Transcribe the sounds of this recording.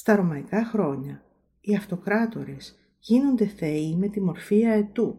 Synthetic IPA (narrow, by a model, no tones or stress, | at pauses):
st̪ɐɾo̞mɐikɐxɾo̞ɲɐ | iɐft̪o̞kɾɐt̪o̞ɾes | ʝino̞nd̪e̞θe̞ime̞t̪imo̞ɾfiɐe̞t̪u